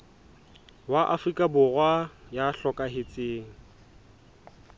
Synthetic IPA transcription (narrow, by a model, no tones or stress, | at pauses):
waʔafrikʼabʊrwajaɬɔkʼaɦɪt͡sʼeːŋ̩